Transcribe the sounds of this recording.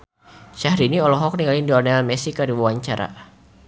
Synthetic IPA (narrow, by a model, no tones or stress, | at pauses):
ʃahɾiniɔlɔɦɔk̚niŋalindɔnɛalmɛsikadiwuwaɲt͡ʃaɾa̰